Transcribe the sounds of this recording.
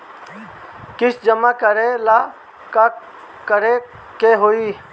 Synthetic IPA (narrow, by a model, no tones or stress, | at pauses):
kɪsd͡ʒəmakəɾela | ka | kəɾe | keɦoiː